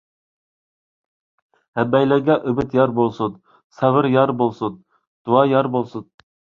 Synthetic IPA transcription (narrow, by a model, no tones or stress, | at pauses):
hɛbɛjlɪɡʲɛʔøbɪt̪jɑɾbolˠsud̪ | sɛvɪɾjɑɾbolˠsud̪ | d̪̥uɑjɑɾbolˠsud̪̚